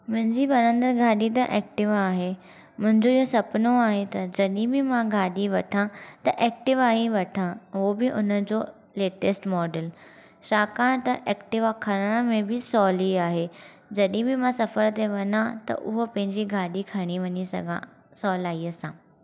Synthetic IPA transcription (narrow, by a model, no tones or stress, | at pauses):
mʊ̃ɦɪ̃ɲd͡ʑiʋɐɾə̃nd̪əɡʱaːɗit̪ɐʔɛːk̚ʈɪʋaːɦe | mʊ̃ɦɪ̃ɲd͡ʑoiɦosɐpnoaːɦet̪ɐd͡ʑɐɗĩbɪmãɡʱaːɗiʋɐʈʰãt̪ɐʔɛːk̚ʈɪʋaːɦiʋɐʈʰãɦobɪʔʊnəd͡ʑoː | leːʈesʈmɔːɖəl | ʃaːkaːɽ̃t̪ɐʔɛːkʈɪʋakʰɐɾəɽ̃əmẽbɪsɔːliaːɦe | d͡ʑɐɗĩbɪmãsɐfəɾt̪eʋɐnãt̪ɐ̰ʔʊɦopɐ̃ɦɪ̃ɲd͡ʑiɡʱaːɗikʰɐɽ̃iʋɐɲisɐ̰ɡã | sɔːlaːiɐsãː